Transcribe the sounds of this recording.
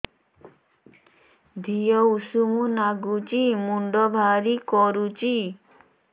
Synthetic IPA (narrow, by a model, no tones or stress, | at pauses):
d̪ʱijɔusumunaɡut͡ʃimuɳɖɔbʱaɾikɔɾut͡ʃi